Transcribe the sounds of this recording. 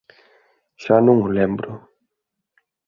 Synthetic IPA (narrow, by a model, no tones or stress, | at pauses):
ʃanũŋʊlẽmbɾʊ